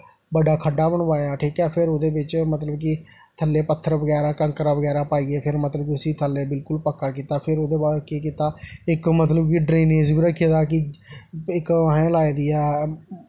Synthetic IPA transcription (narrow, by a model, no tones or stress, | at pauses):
bəɖaːkʰəɖːaːbəɳʋaːeãːʈʰiːkɛːpʰɪɾoːd̪eːbɪt͡ʃmət̪ləbk̬ɪ | t̪ʰəlːeːpət̪ʰːəɾʋəɡɛːɾaːkəŋkɾaːʋəɡɛːɾaːpaːiːɡeːpʰɪɾmət̪ləbkiʊsiːt̪ʰəlːeːbɪlkʊlpəkːaːkiːt̪aːpʰɪɾoːd̪eːbaːlkeːkiːt̪aːɪkmət̪ləbkiɖɾeːneːd͡ʒbiːɾəkʰːeːd̪aːkɪ | ɪkaɦẽːlaːeːd̪iːɛː